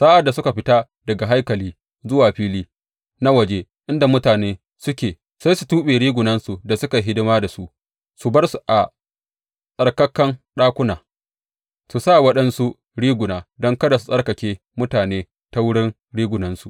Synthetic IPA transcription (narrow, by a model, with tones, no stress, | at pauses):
saː˦ʔa˨dːa˨sʊ˦ka˨ɸɪ˦ta˦ | dɐ˨ɡa˨ɦa˦jkɐ˨liː˦ | zʊ˦waː˨ɸiː˦liː˦ | na˦wɐ˨d͡ʒeː˦ | ʔɪ˦nda˨mʊ˦taː˨neː˦ | sʊ˦kʲeː˨ | sa˦jsu˨tuː˦ɓeː˨ɽiː˦ɡʷʊ˨nɐ˦nsu˨da˨sʊ˦ka˨ɦɪ˦dɪ˦maː˦da˨su˦ʔ | su˨bɐ˦rsu˨ʔa˨ | sʼɐ˨rkɐ˦kːɐ˦nɗaː˦kʷʊ˦naː˨ | su˨sa˦˨wɐ˦ɗɐ˦nsu˦ | ɽiː˦ɡʷʊ˨naː˨dɔ˦ŋkɐ˦da˨su̥˨sʼɐ˦rkɐ˨kʲeː˦ | mʊ˦taː˨neː˦ | ta˦wʊ˦ɽɪ˦n | ɽiː˦ɡʷʊ˨nɐ˦nsu˨ʔ